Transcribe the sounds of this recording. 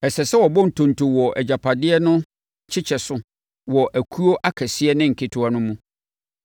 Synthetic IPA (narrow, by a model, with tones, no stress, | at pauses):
ɛ˨sɛ˨sɛ˦wɔ˨bɔ̃˦n̩˨tʰõ˨n˨tʰo˨wɔ˨ʔɛ˨d͡ʑa˨pʰa˨dɪ˦ɛ˦nʊ̃˦ | t͡ɕʰɪ˦t͡ɕʰɛ˨sʊ˨ | wɔ˨ʔæ˨kʰu˦o˦ʔa˦kʰɛ˨sɪ˦ɛ˦nɪ̃˦ŋ̩˨kʰɪ˦tʰʊ˦a˨nʊ̃˦mũ˦